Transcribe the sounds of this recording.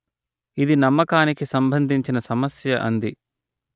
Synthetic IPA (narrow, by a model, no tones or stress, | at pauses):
id̪inɐmːɐkaːnikisɐmbʱɐnd̪ʱiɲt͡ʃinɐsɐmɐsjɐʔɐ̰nd̪i